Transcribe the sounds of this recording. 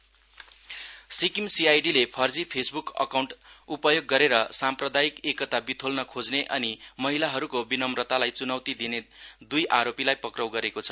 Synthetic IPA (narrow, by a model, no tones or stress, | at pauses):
sikimsiajɖilepʰʌrd͡zipʰesbukʌ̰kawɳʈupʌjoɡːʌɾeɾʌsamprʌd̪ajikekʌt̪abit̪ʰolnʌkʰod͡zneʔʌnimʌɦilaɦʌɾukobinʌmrʌt̪alajt͡sunʌwt̪id̪ined̪ujʔaɾopilajpʌkrʌwɡʌɾekot͡sʰʌ̥